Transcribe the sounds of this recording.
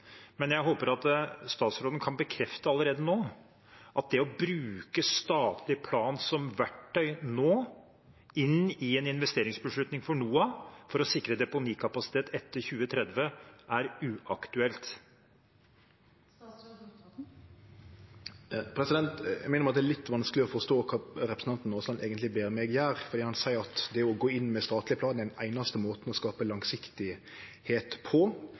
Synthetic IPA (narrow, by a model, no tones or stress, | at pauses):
mɛnjæɪɦoːpəɾɑt̪st̪ɑːt̪sɾoːd̪n̩kʰɑnbəkʰɾɛft̪əɑlːəɾeːd̪ənoː | ʔɑt̪̚d̪ɛɔbɾʉːkəst̪ɑːt̪ʰlɪpʰlɑːnsɔmʋæʈʰːœʏnoː | ɪnɪɛnɪn̪ʋɛst̪eːɾɪŋsbəʂɭʉt̪nɪŋfɔɳuːɑfɔɾɔsɪkːɾəd̪ɛpʊniːkʰɑpɑsɪ̥t̪ʰeːt̪ʰɛt̪ːəɾçʉːət̪ʰɾɛd̪ʋəʔæɾʉːʔɑkt̪ʉɛlt̪ | pʰɾɛsɪd̪ɛnt̪æ̰mæɪnəmɾɑt̪d̪ɛælɪt̪ːʋɑnsklɪɔfɔɾst̪oːkʰɑːɾɛpɾəsn̩ɑnt̪n̩ːoːslɑnʔeːɡənt̪lɪbeːɾmɛɡæːɾfɔɾd̪iːhɑnsæɪəɾɑt̪d̪ɛɔɡoːɪnːmɛst̪ɑːt̪lɪəpʰlɑːd̪æɪnæɪnɑst̪əmoːt̪n̩ɔskɑːpəlɑŋsɪkt̪ɪ | heːt̪pʰɔ